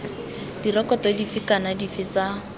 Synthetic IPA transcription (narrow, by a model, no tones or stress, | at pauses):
d̥irɔkɔtɔdifɪkanadifɪt͡sa